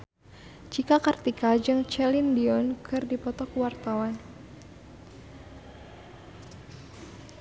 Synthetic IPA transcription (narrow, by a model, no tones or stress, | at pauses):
t͡ʃikakart̪ikad͡ʒɨŋt͡ʃɛlindiɔnkʰɨrdipɔt̪ɔkwart̪awan